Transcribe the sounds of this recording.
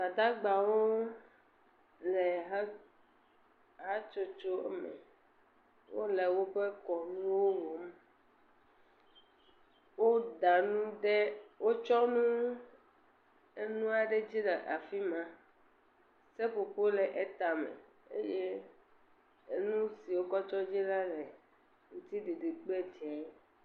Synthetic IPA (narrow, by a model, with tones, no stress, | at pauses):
a˨d̪a˦ɡ͡ba˨wo˦ | lɛ˨ɦ | ɦa˦t͡ʃo˦t͡ʃo˦ɛ̰˦mḛ̃˨ | wo̰˦le˨wo˦ɸe˦kɔ˨nũ˦wo˦wo˨m | wo˦da˨nũ˦ɖe˦wo˦t͡ʃɔ˦nũ˦ | e˦nũ˦a˨ɖe˦d͡ʑi˦lɛ˨ʔa˨fi˦mã˦ | se˦ɸo˨ɸo˦le˨ʔe˦t̪a˨mḛ̃˨ | ḛ˦je˦ | e˦nũ˦si˨wo˦kɔ˦t͡ʃɔ˦d͡ʑi˦la˦le˨ | ŋ̩̃˦t̪i˦de˨ɖe˨k͡pe˦˨d͡ʒɛ˨˦